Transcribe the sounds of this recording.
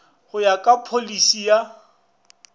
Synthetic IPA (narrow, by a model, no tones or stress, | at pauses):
hʊjakʼapʰolisija